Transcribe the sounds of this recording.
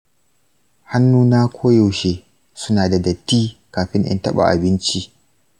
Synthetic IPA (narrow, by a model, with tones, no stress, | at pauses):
ha˦nːuː˦naː˦kʷʰoː˦jo˨wʃeː˨ | sʊ˦naː˨da˨dɐ˨tːiː˦kaː˨ɸɪ˦ŋʔɪ̰˦ntɐ˦ɓa̰˨ʔa˨bɪ˦nt͡ʃi˦ʔ